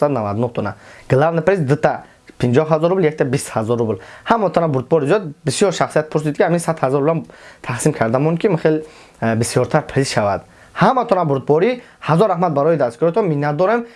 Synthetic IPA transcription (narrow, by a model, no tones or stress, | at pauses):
sad̪unavad̪unuht̪ʰɔnaɡ̥lavnəpɾezd̪ɨt̪ʰa | pʰind͡ʒɔɦazɔɾubljek̚t̪ʰabishazɔɾublhamɔt̪ʰɔnabuɾd̪̚bɔɾizijɔd̪̚bisjɔɾʃaχsijat̪̚pʰuɾs̬id̪kʰʲiaminsad̪hazɔɾublamt̪ʰaχsimkʰaɾd̪amɔnkʰimiχel | bisjɔɾt̪ʰaɾpʰɾisʃavad̪ | hamat̪ʰɔnabuɾd̪̚bɔɾi | hazɔɾːahmat̪̚baɾɔjid̪askiɾɔt̪ɔminːat̪̚d̪ɔɾem